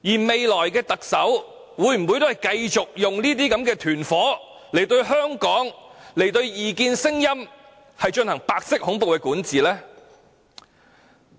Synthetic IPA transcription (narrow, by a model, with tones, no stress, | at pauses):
jiː˨˩me˨jlɔː˨˩jkɛː˧t̪ɐ˨k̚sɐ˨˥w | wuː˨˥jm̩˨˩wu˨˧jt̪o˥hɐ˨˩jkɐ˧jt͡sʊ˨k̚jʊ˨ŋniː˥t̪iː˥kɐ˨˥mkɛː˧t̪ʰyː˨˩nfɔː˨˥ | le˨˩jt̪ɵ˧ɥɦœː˥ŋkɔː˨˥ŋle˨˩jt̪ɵ˧ɥjiː˨kiː˧nsɪ˥ŋjɐ˥m | hɐ˨jt͡ʃɵ˧nhɐ˨˩ŋpaː˧k̚sɪ˥k̚hʊ˨˥ŋpo˨wkɛː˧kuː˨˥nt͡siː˨lɛː˥